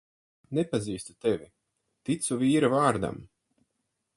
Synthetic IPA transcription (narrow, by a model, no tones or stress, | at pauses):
nepaziːst̪u̥t̪ɛvʲi | t̪it̪suviːɾavaːɾd̪a̰m